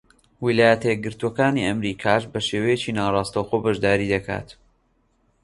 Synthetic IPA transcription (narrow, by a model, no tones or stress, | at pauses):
wilaːjɐt̪ɐjɛɡɨɾt̪uɐkaːniʔɐmɾiːkʰaːʃbɐʃeːwɐjet͡ʃinaːrˤɑːst̪ɐwxobɐʒd̪aːɾiːd̪ɐkʰa̰ːt̪